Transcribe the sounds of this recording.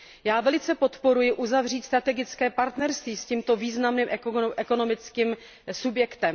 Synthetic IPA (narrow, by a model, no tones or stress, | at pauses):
jaːvɛlɪt͡sɛpo̞t̪po̞ɾujɪʔuzavr̝iːt̪st̪ɾat̪ɛɡɪtt͡skɛːpaɾt̪nɛɾst̪viːsciːmt̪o̞viːznamnimʔʔɛko̞no̞mɪt͡skim | subjɛkt̪ɛm